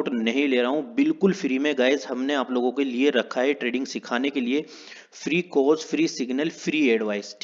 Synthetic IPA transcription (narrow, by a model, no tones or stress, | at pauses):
ʈnɐɦĩleːɾaɦũbɪlkʊlfɾiːmẽɡaːɪzɦɐmneaːploːɡõkelieɾɐkʰaːeʈɾeːɖɪ̃ŋɡsɪkʰaːnekelie | fɾiːkoːsfɾiːsɪɡnəlfɾiːeːɖʋaːɪs